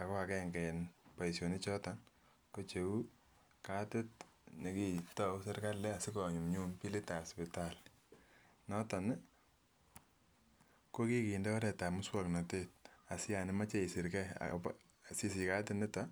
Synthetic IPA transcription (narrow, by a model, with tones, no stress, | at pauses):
a˨kɔ˦a˨kɛ˦ŋɡɛ˨npa˨i˨sjo˨ni˦t͡ʃɔ˦tan | ko˦t͡ʃe˨wu˦ | ka˦tɪ˦tne˨ki˦tɔ˦u˦sɛ˦ɾka˦lːɛ˦a˨sɪ˦kɔ˨ɲu˨mɲu˦mpi˦le˦ta˨ɔ˨spi˨tal | nɔ˦ta˨n | ko˦ki˦ki˨ndɛ˦ɔ˦ɾɛ˨ta˨mʊ˦swɔ˨kna˨te˦t̚a˨si˦ja˨nɪ˦ma˦t͡ʃe˦i˨si˨ɾkɛ̰˦p | si˦si˨ka˦tɪ˦nɪ˦ta˦